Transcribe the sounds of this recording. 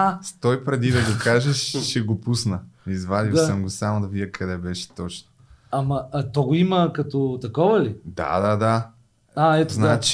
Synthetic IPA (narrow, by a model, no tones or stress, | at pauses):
at̪ɔjpɾɛd̪id̪ɐɡokaʒɛʃːɛɡopusnəizvad̪isəmɡosamod̪ɐvidʲɐkʰɐd̪ɛbɛʃɛ̥t̪ɔt͡ʃno̥ | ɐmɐt̪ɔɡoimɐkɐt̪ot̪ɐkɔvɐlid̪a̰d̪ad̪a | aɛt̪oznat͡ʃ